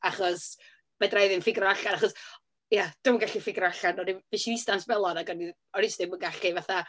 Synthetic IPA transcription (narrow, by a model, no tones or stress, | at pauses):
aχɔs | mɛdrajðɪnfɪɡrɔaɬanaχɔs | jad̥ʊməŋɡaɬifɪɡrɔaɬanɔdivɪʃiistansbɛlˠɔnaɡɔni | ɔɾɪsdɪmənɡaɬivaθa